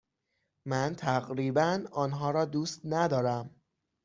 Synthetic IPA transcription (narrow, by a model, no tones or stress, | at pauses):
mænt̪ʰæɣɾiːbænɒːnɦɒːɾɒːd̪uːst̪næd̪ɒːɾæm